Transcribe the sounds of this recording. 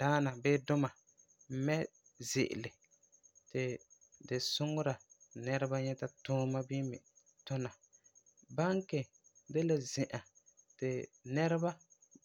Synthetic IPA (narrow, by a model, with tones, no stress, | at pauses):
d̥aː˦na˨bɪː˦dʊ˦ma˨ | m̩˦mɛ˦ | zɪ̰˨ʔɪ̰˨lɪ˨ | tɪ˨ | dɪ˨sʊ˦ŋʊ˦ɾa˨nɛ˦ɾa˦ba˦ɲɛ˦ta˦tʊː˦ma˦bi˦mɪ˨ | tʊ˦na˨ | ba˦ŋkɪ˨ | de˦la˨zɪ˨ʔa˨ | tɪ˨nɛ˦ɾɪ˦ba˦